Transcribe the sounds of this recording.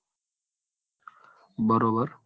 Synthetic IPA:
bəɾoːbəɾ

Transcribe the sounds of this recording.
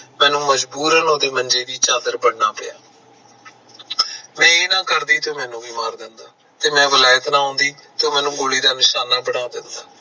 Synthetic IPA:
mɛ̃ːnũːməd͡ʒbuːɾənoːd̪eːmənd͡ʒeːd̪iːt͡ʃaːd̪əɾbəɽnaːpɪjaː | mɛ̃ːeːnãːkəɾd̪iːt̪õːmɛ̃ːnũːbiːmaːɾd̪ɪnd̪aː | t̪eːmɛ̃ːʋəlaːjət̪nãːɦõːnd̪iːt̪õːmɛ̃ːnũːɡoːliːd̪aːnɪʃaːnːaːbəɽaːd̪ɪnd̪aː

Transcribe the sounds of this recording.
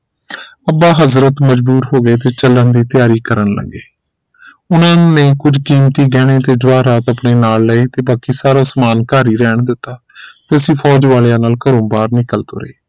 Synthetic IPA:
əbaːɦəzɾət̪məd͡ʒbuːɾɦoːɡeːt̪eːt͡ʃələnd̪iːt̪ɪjaːɾiːkəɾənlə̰ɡeː | ʊnãːnẽːkʊd͡ʒkiːmt̪iːɡɛːɽ̃eːt̪eːd͡ʒaːɾaːt̪əpɳeːnaːlːəːiːt̪eːbaːkiːsaːɾaːsəmaːnkaːɾiːɾɛːɳd̪ɪt̪ːaː | t̪eːəsĩːpʰɔːd͡ʒʋaːlejãːnaːlkəɾõːbaːɾnɪkəlt̪o̰ːɾḛeː

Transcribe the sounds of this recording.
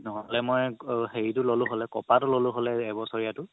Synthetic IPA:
nɔɦɔlɛmojɦeitʊlolʊ̃ɦolɛkɔpatʊlolʊ̃ɦolɛːbɔsɔɹijatʊ

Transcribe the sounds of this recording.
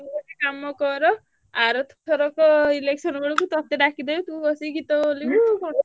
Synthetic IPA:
uɔekamɔkɔɾɔ | aɾɔt̪ʰtʰɔɾɔkɔileksɔnbɔɽɔkut̪ɔt̪eɖakʰid̪ɔjot̪ũɡɔsiɡit̪ɔolikuko

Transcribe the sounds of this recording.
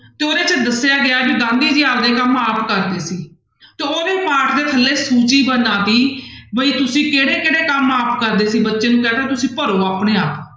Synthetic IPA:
t̪eːoːɾeːt͡ʃəd̪əsːjaːɡɪjaːbiːɡãːnd̪iːd͡ʒiːaːld̪eːkəmaːpkəɾd̪eːsiː | t̪eːoːɾeːpaːʈʰd̪eːk̪ʰəlːeːsuːt͡ʃiːbənːãːt̪iːbəiːt̪ʊsĩːkeːɽeːkeːɽeːkəmaːpkəɾd̪eːsiːbətːʃeːnũːkɛːt̪eːt̪ʊsĩːpəɾoːaːpɽeːaːp

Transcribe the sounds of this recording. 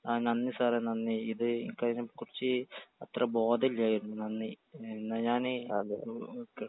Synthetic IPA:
anɐnːisaːɾenɐnːiid̪eḭŋkanɐkuɾt͡ʃiɐt̪ɾɐboːd̪ɐljajɾnnɐnːi | nɐjaːniɐlk

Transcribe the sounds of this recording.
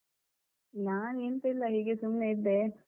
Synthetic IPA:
naːneːnt̪ɐilːɐɦiːɡesumneid̪ːe

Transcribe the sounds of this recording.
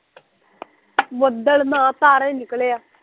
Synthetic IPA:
ʋəd̪əɭnãːt̪aːɾɛ̃ːnɪkleːaː

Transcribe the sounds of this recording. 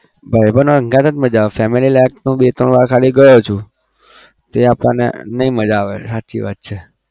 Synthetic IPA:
bʱaibənoɾəŋɡãt̪ə̃t̪məd͡ʒaʋfɛmililak̚nũbet̪ɾəɳʋaɾkʰaliɡəjot͡ʃʰũ | t̪eapə̃nḛnəĩməd͡ʒaʋesat͡ʃḭʋa̰t̪̚t͡ʃʰe

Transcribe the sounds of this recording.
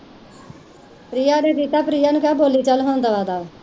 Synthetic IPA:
pɾiːaːneːkiːt̪ːaːpɾiːaːnũːkaːboːliːt͡ʃəlɦõːnd̪aːʋaːd̪aː

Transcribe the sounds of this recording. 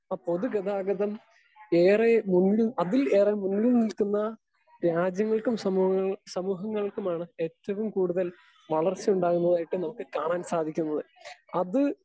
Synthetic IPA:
apo̞ðuɡɐðaːɡɐðɐm | eːremunɡumɐðile̞ːremunɡunilkunːɐ | ɾaːd͡ʑjɐŋːɐɭkumsɐmuɐŋːɐsɐmuːɦɐŋːɐɭkumaːɳɨe̞t̪ːɐʋumkuːɽuðɐl | ʋɐɭɐrt͡ɕijuɳɖaːɣunːɐðaːjiʈːɨnɐmukːɨkaːɳaːnsaːd̪ʱikʲːunːɐðɨɐðɨ

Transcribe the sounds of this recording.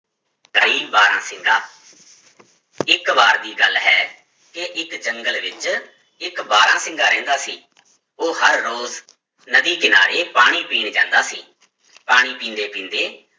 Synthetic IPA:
kəɾiːbaːɾã̰ːsɪŋɡaː | ɪkʋaːɾd̪iːɡəlɦɛː | keʔɪkd͡ʒəŋɡəlʋɪt͡ʃ | ɪkbaːɾãːsɪ̃ŋɡaːɾɛ̰̃ːnd̪aːsḭː | oːhəɾːoːz | nəd̪iːkɪnaːɾeːpaːɽ̃iːpiːɳd͡ʒã̰ːnd̪aːsḭː | paːɽ̃iːpĩːnd̪eːpĩːnd̪eː

